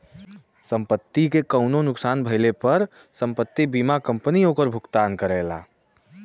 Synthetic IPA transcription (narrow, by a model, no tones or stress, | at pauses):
səmpət̪ːikekəʊnonʊksanbʱəɪlepəɾ | səmpət̪ːibimakəmpniokəɾbʱukt̪ankəɾɛla̰